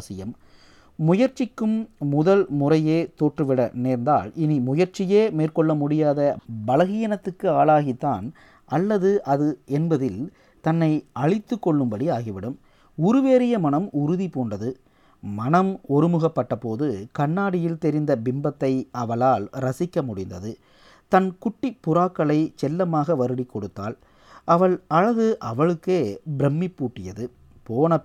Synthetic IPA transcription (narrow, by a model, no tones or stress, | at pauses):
sɪjɐmː | ʊjɐɾt͡ʃɪkːɯmːʊðɐlmʊrɐjeːt̪oːʈrɯʋɪɽɐneːɾnd̪a̰ːlɪnimʊjɐɾt͡ʃːɪjeːmeːrkɔɭːɐmʊɽɪjaːðɐbɐlɐɣɪjɐnɐt̪ːɯkːɯaːlaːɣit̪ːaːn | ʔɐlːɐðɯʔɐðɯɛnbɐðɪl | t̪ɐnːɐɪɐɻɪt̪ːɯkːɔɭːɯmbɐɽiaːɣiʋɪɽɯm | ʊɾɯʋeːɾɪjɐmɐnɐmʔʊɾʊðipoːɳdrɐðɯ | mɐnɐmɔɾɯmɯɣɐpːɐʈːɐpoːðɯkɐɳːaːɽɪjɪlt̪ɛɾɪnd̪ɐbɪmbɐt̪ːɐɪɐʋɐlaːlɾɐsɪkːɐmʊɽɪnd̪ɐðɯ | t̪ɐnkʊʈːɪpːʊɾaːkːɐɭɐɪt͡ʃɛlːɐmaːɣɐʋɐɾɯɽɪkːɔɽɯt̪ːa̰ːl | ʔɐʋɐɭɐɻɐɣɯʔɐʋɐɭɯkːeːbɪɾɛmːɪpːuːʈːɪjɐðɯ | poːnɐ